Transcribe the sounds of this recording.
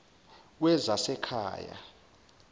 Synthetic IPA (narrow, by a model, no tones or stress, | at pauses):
wɛzasɛkʰa̰ːja̰